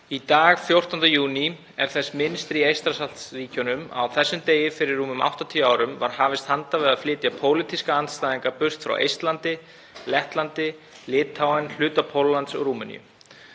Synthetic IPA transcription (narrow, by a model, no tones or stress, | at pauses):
it̪aːɣfjowr̥t̪ɔnt̪ajuːni | ɛɾ̥θɛsːmɪnst̪ɾiejst̪ɾasalt̪sriːcɔnʏma̰wθɛsːʏmt̪eːjɪfɪɾɪrːuːmʏmʔa̰wht̪ɔt̪ʰiːaːwɾʏmvaɾ̥haːvɪst̪hant̪avɪðaðflɪːt̪japʰoːwlit̪iskaanst̪aːðiŋkapʏrst̪fɾa̰wʔḛjst̪lant̪ɪ | lɛht̪lant̪ɪ | lɪːt̪ʰawanl̥ʏːt̪apʰowllːant̪sɔ̰ɣruːmʏnḭjʏ̰